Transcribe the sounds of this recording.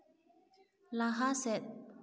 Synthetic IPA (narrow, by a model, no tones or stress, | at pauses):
laɦasɛt̪̚